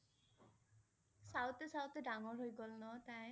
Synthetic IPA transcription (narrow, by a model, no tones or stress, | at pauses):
sawt̪esawt̪eɖamoɾɦojɡɔlnɔt̪ae